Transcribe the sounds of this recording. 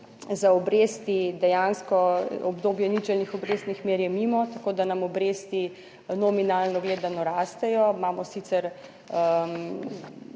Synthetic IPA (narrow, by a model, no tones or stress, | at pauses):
zaɔbɾeːst̪id̪ɛjanskɔɔbd̪oːbjɛnit͡ʃɛlnixɔbɾeːst̪nixmeːɾjɛmimɔt̪akoːd̪anamɔbɾest̪i | nɔminaːlnɔɡleːd̪anɔɾaːst̪ɛjɔmaːmɔsit̪sɛɾ